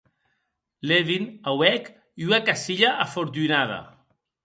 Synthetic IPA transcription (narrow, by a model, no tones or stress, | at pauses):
leβinawɛk | iunakasiʎaʔafoɾt̪̬yinaða̰